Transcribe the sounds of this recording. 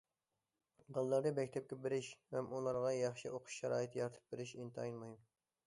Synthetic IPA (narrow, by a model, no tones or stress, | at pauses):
bəlˠːɑɾd̪ɨbɛkʲt̪ʰɛp̚kʲɛbɪɾɪʃvɛmʔulˠɑɾʁɑjɑχʃiʔoqʰʊ̥ʃʃɛɾɑːjit̪ʰjɑɾt̪ʰɨ̥p̚beɾɪʃint̪ʰɨɑjnmɨim